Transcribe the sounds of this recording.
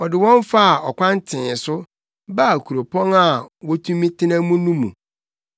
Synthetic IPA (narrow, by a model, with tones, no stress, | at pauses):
ɔ˨dɪ˨wɔ̃˦n˦fa˦a˨ɔ˨kʷã˦n˦tʰɪ̃˨sʊ˦ | ba˦˨kʰu˨ɾo˨pʰɔ̃˦na˦˨wɔ˦tʰũ˦mĩ˦tʰɪ̃˦nã˦mũ˦nũ˦mṵ̃˨